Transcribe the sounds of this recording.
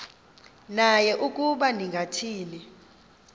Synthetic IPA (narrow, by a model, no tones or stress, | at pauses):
najɛʔukʼuɓandʱiŋɡʱatʰiːni